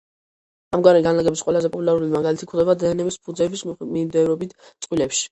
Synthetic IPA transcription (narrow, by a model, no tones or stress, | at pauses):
amɡwaɾɛɡanlaɡɛbisqʼwɛlazɛpʼɔpʼulaɾulimaɡalit̪ʰi̥kʰɾd̪ɛbad̪ɛɛnɛmispʰud̪zɛbismimd̪ɛvɾɔbit̪ʰt̪sʼqʼwilɛpʃi̥